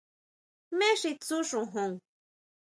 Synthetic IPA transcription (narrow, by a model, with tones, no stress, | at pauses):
me˦ʂi˧t͡su˦ʂũ˨ɦu˧˨ŋ